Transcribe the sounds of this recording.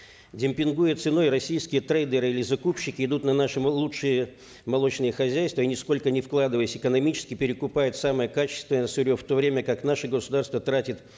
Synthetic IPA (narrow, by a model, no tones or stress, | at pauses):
dʲɪmʲpʲɪnɡujət̪sɨno̞jɾɐsʲijskʲɪjət̪ɾejd̪ʲəɾɨilʲɪzɐkupɕːɪkʲɪɪd̪ut̪nɐnaʂɨlˠuʂɨjə | mɐlˠo̞t͡ɕnɨjəxɐzʲæjst̪vəinʲɪsko̞lʲkənʲɪfklˠad̪ɨvəjɪsʲɪkənɐmʲit͡ɕɪ̥skʲɪpʲɪɾʲɪkʊpajɪt̪saməjəkat͡ɕɪ̥st̪vʲɪnəəsʊɾʲoft̪o̞vɾʲemʲəkaknaʂɨɡəsʊd̪arst̪vət̪ɾatʲɪt̪